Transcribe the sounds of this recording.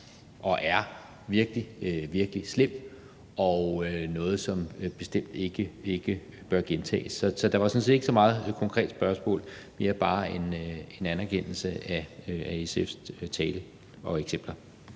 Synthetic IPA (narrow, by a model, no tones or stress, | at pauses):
ʔɒ̽ʔæɐ | ʋiɐɡ̥əliøʋiɐɡ̥əlislem̰ | ʔɒønɔ̽ːð̞̩ˠsɒ̽mb̥e̝sd̥em̰d̥e̝ɡ̥əe̝ɡ̥ə | b̥ɶɐɡ̥ent͡sʰɛ̰ːsːɒ̽sɒ̽d̥ɑ̈ʋɑsɒ̽nse̝̰d̥eɡ̥əsɒ̽mɑ̈ːð̞̩ˠkʰɒ̽ŋkʰʁɛ̰ːd̥sb̥ɶɐsmɔ̰ːl | me̝ːɐb̥ɑ̈ːe̝ne̝nænæɐkʰen̰l̩səæøæeseft͡sʰɛːlə | ɒ̽eɡ̥sem̰b̥lɐ